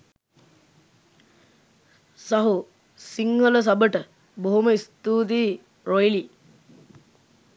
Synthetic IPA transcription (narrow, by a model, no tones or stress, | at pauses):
saɦu | siŋːələs̬ɐbəʈə | boɦoməist̪uːd̪iː | ɾojli